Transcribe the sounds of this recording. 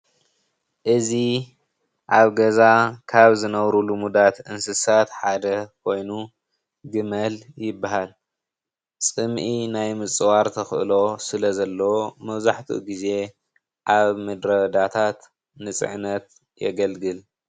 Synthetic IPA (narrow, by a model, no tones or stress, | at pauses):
ʔɨzi | ʔaβɡɐzakʰaβzɨnɐβɾulumud̪at̪ʔɨnsɨsat̪ħad̪ɐkʰo̞jnu | ɡɨmɐljɪbːaɦal | t͡sʼɨmʔinajmɨt͡sʼɨwaɾt̪ʰɐxʔɨ̰lo̞sɨlɐzɐlːɐwomɐβzaħt̪ʰṵɡize̞ | ʔaβmɐd̪ɾɐd̪at̪ʰat̪ | nɨt͡sʼɨ̰ʕnɐt̪ | jɛ̰ɡɐlɡɨl